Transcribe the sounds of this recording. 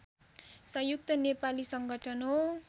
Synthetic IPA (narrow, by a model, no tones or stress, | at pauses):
sʌjuk̚t̪ʌnepalisʌŋɡʱʌʈʰʌnɦo